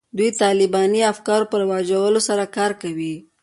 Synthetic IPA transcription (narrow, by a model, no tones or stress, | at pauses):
d̪ujt̪ɑlɪbɑniafkɑɾopəɾwɑd͡ʒawəlosaɾakɑɾkawi